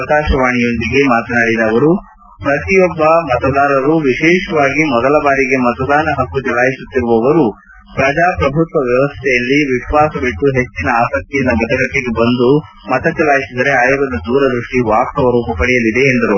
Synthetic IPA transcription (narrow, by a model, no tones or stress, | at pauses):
ɐkaːʃɐʋaːɳijo̞nd̪iɡe̞maːt̪ɐnaːɽid̪ɐːʋɐɾu | pɾɐt̪ijɔbːɐmɐt̪ɐd̪aːɾɐɾuʋiʃɛːʃɐʋaːɡimɔd̪ɐlɐbaːɾiɡemɐt̪ɐd̪aːnɐɦɐkːut͡ʃɐlaːjisut̪ːiɾuʋɐʋɐɾu | pɾɐd͡ʒaːpɾɐbʱut̪ʋɐʋjɐʋɐst̪ʰɛjɐlːiʋiʃʋaːsɐbiʈːuɦe̞t͡ʃːinɐaːsɐk̚t̪ijɐnd̪ɐbɐt̪ʰɐɡɐʈːeɡebɐnd̪u | mɐt̪ɐt͡ʃɐlaːjisid̪ɐɾe̞aːjoɡɐd̪ɐd̪uːɾɐd̪ɾuʂʈiʋaːkk̪ɐʋɐɾuːpɐpɐɽijɐlid̪e̞ːnd̪ɐɾu